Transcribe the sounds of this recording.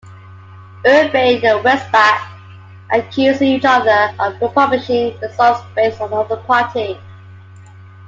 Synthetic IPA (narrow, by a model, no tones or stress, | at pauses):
ɜːd̚meɪd͡ʒəwɛsbak | ʔəkʰj̥ʉːzɪ̃ŋiˑt͡ʃʌðəəvɹɪpʰʌblɪʃɪ̃ŋðəsɔlˠsb̥eɪstn̩ʌðəpʰɑˑtʰi